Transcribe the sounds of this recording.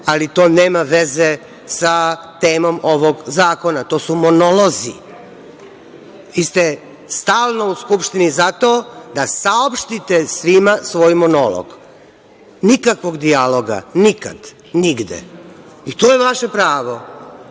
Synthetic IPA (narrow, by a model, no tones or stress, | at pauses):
alit̪o̞ːne̞ːmaʋeze | sa | t̪e̞ːmo̞mo̞ʋo̞ɡzaːko̞nat̪o̞ːsumo̞nolˠo̞zi | ʋist̪e | st̪aːlˠno̞uskupʃt̪inizat̪oːd̪asaopʃt̪it̪esʋimasʋo̞ːjmonolo̰ɡ̥ | nikakʋo̞ɡd̪ialo̞ɡa̰nika̰d̪ | niɡd̪ḛ | it̪oːjeʋaʃe̞pɾaːʋo